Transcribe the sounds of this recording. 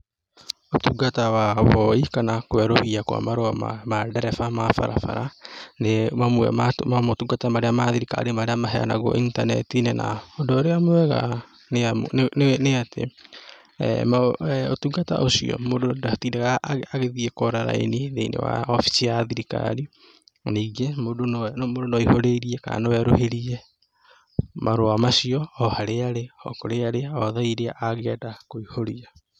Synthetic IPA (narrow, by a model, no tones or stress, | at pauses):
otuɡatawaβɔikanakowɛɾohiakwa̰maɾoama̰madɛɾɛfamafa̰ɾa̰fa̰ɾanemamuɛ̰mamamotuɡatamaɾeamaðiɾika̰ɾemaɾeamaɦɛa̰na̰ɣɔ̰ʔintanɛ̰tinena̰ɔdɔɾeamoɛɣa̰ | neamoneatḛ | maotuːɡata̰ʔosḭɔ̰mododatiːdaɣaːɣeðiɛkoɾaɾa̰ḛniðeinḛwa̰ɔfi̥siaðiɾika̰ɾi | niːɡemodonmodonɔihoɾeiɾiɛka̰nowɛɾo̰heɾiɛ | maɾoamaʃiɔɔhaɾeaɾeɔkoɾeaɾeaɔðaiɾeaʔaɣɛdakoihoɾia